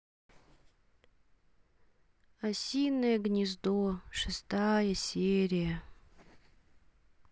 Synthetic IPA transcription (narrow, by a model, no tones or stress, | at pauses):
asʲijnːɨjəɡnʲɪzd̪oʂɨst̪ajɐsʲeɾʲijɐ